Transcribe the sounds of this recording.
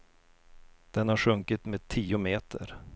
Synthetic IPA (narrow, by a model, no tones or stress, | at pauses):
d̪̥ɛnhaɧɵŋkɪt̪meːt̪ʰiːʊmeːt̪ʰə̰ɾ